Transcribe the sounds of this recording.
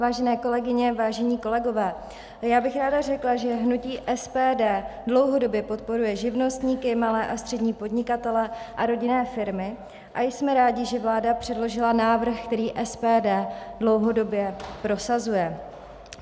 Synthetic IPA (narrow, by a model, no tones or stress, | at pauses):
vaːʒɛnɛːko̞lɛɡɪɲɛvaːʒɛɲiːko̞lɛɡo̞vɛː | jaːbɪxɾaːdar̝ɛklaʒɛɦnuciːʔɛspɛːdɛːdlo̞wɦo̞do̞bjɛpo̞t̪̚po̞ɾujɛʒɪvno̞st̪ɲiːkɪmalɛːʔast̪r̥ɛdɲiːpo̞dɲɪkat̪ɛlɛʔaɾo̞ɟɪnɛːfɪɾmɪ | ʔajsmɛɾaːɟɪʒɛvlaːdapr̥ɛdlo̞ʒɪlanaːvr̩xkt̪ɛɾiːʔɛspɛːdɛːdlo̞wɦo̞do̞bjɛpɾo̞sazujɛ